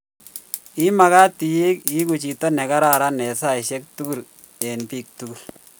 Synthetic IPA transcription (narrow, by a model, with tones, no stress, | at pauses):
i˦ma˨ka˦ti˨je˦ki˦ku˨t͡ʃi˨to˦nɛ˨ka˦ɾa˦˨ɾa˦nɛ˨sa˦ɪ˨ʃe˦k̚tu˦ɡu˦˨l | ɛ˨npiː˨k̚tu˦ɡu˨l